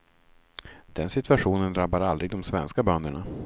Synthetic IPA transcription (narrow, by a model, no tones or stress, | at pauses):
d̪̥ɛnsɪt̪ʰɵaɧuːnənd̪ɾabːaɾald̪ɾɪɡ̚d̪ɔmsvɛnskabœnd̪əɳa